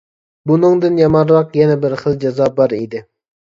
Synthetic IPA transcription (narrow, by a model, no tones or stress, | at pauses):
bunɨŋd̪ɨnjɑmɑɾwɑqjɛnɛbɪɾχəlˠd͡ʒɑzɑːbɑɾid̪ɪ